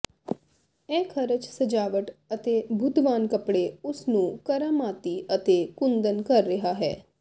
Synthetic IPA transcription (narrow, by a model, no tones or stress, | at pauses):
ɛ̃ːkʰəɾət͡ʃsəd͡ʒaːʋəʈət̪eːbʱʊd̪ʋaːnkəpɽeːʊsnũːkəɾaːmaːt̪iːət̪eːkʊnd̪ənkəɾːɪɦaːɦɛ̰ː